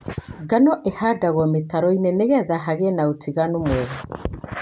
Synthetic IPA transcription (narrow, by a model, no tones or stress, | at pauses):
ɡanɔʔehadaɣɔmetaɾɔinɛneɣɛðaɦaɣɛnaotiɣanumwɛɣɔ